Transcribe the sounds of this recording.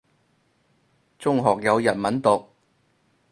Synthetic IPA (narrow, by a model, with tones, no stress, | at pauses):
t͡sʊ˥ŋɦɔː˨k̚jɐ˨˧wjɐ˨t̚mɐ˨˥nt̪ʊ˨k̚